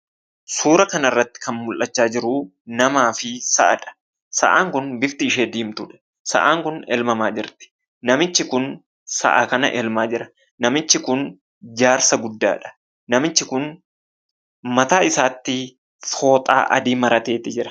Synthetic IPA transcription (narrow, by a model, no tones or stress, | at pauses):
suːɾɐkɐnɐɪrːɐt̪ːɪ̥kɐnmʊlʔɐt͡ʃːaːd͡ʒɪɾʊ | nɐmaːfɪsɐ̰ʔɐ̰ᶑɐ̥ | sɐ̰ʔaːŋkʊnbɪft̪ɪːʃeːd̪iːmt̪ʊᶑɐ̥ | sɐ̰ʔaːŋkʊnɛ̰lmɐmaːd͡ʒɪɾt̪ɪ̥ | nɐmɪt͡ʃːɪkʊn | sɐ̰ʔa̰ːkɐnɐ̰ʔɛlmaːd͡ʒɪɾɐ | nɐmɪt͡ʃːɪkʊn | d͡ʒaːɾsɐɡʊd̪ːa̰ːᶑɐ̥ | nɐmɪt͡ʃːɪkʊn | mɐt̪aːɪsaːt̪ːɪ | fo̞ːt̪ʼa̰ːʔɐ̰d̪iːmɐɾɐt̪e̞ːt̪ɪd͡ʒɪɾɐ̥